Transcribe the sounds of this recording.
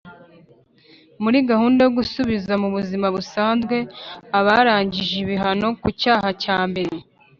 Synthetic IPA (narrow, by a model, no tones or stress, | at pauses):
muɾiɡahuːndajoɡusuβizamuβuzimaβusaːnzɡwe̞aβaɾaːɲɟiʒiβiɦano̞kucaːɦacaːmbe̞ɾe